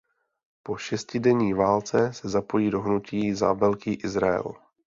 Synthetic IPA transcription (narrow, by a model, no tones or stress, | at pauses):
po̞ʃɛscɪdɛɲiːvaːlt͡sɛsɛzapo̞jiːdo̞ɦnuciːza̰vɛlkiːʔɪzɾaɛ̰l